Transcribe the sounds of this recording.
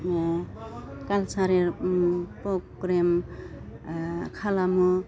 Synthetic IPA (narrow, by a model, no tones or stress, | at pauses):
kalsaɾiɾpɾɔɡɾem | kʰalamu